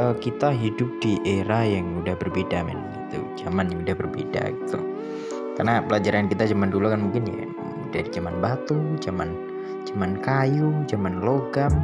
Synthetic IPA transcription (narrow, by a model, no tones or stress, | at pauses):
əkit̪aɦidʊp̚d̥iʔeɾahjaŋudahbərbedamɪ̰nɡit̪ṵd͡ʒamanjaŋudahbərbḛda̰ɡit̪u | karnapəlad͡ʒaɾankit̪ad͡ʒamandulukanmuŋkɪnja̰ | daɾid͡ʒamanbat̪ud͡ʒaman | d͡ʒamankajud͡ʒamanloɡam